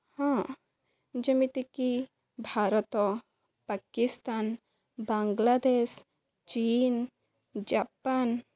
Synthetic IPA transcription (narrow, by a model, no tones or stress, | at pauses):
hã | d͡ʒɐmit̪iki | bʱaɾɔt̪ɔ | pakist̪an | baŋɡlad̪es | t͡ʃiːn | d͡ʒapan